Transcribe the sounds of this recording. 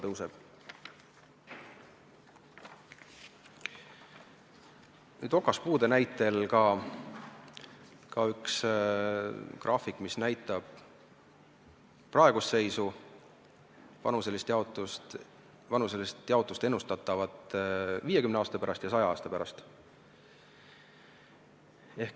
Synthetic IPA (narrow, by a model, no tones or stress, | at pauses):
t̪ɤwseb̥ | nyːd̪̥o̞kːˑɑspuːd̪e̞næjt̪ːˑe̞lkɑ | kɑyks | krʔɑːfikːˑmisnæjt̪ˑːɑb̥ | pːrɑe̞ɡ̥usse̞jsu | vɑ̰nuselːist̪j̪t̪ | vɑnuselst̪jɑot̪ːˑust̪e̞nːust̪ɑt̪ːˑɑvɑt̪viːjekymneɑːst̪ɑpæɾɑst̪jɑsɑjɑɑːst̪ɑpæɾɑst̪ | e̞hk